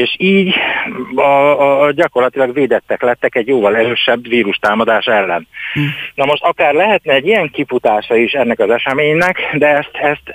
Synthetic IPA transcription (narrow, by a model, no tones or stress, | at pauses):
eːʃiːɟ | ɒɟɒko̞rlɒt̪ilɒɡveːd̪ɛt̪ːɛklɛt̪ːɛkɛɟjoːvɒlɛɾøːʃɛbʋiːɾuʃt̪aːmɒd̪aːʃɛlːɛnnɒmo̞ʃt̪ɒkaːrlɛɦɛt̪nɛːɟːijɛŋkifut̪aːʃɒiʃɛnːɛkɒzɛʃɛmeːɲnɛkd̪ɛɛst̪ɛst̪